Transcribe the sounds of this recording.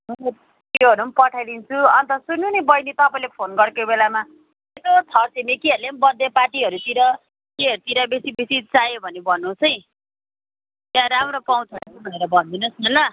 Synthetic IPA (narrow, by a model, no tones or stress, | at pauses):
joɦʌɾumpʌʈʰajd̪int͡sʰuʌnt̪ʌsunːunebʌjnit̪ʌpaĩlepʰonɡʌɾkobelama | etot͡sʰʌrt͡semekiɦʌɾlenbʌd̪ʱːepaʈiɦʌɾut̪iɾʌ | keʌɾut̪iɾʌbesibesit͡sajobʱʌnebʱʌnːũsʌj̃ | t̪jãɾamɾopaw̃t͡sʰʌɾt͡sʰubʱʌneɾʌbʱʌnd̪inʌsʌnʌ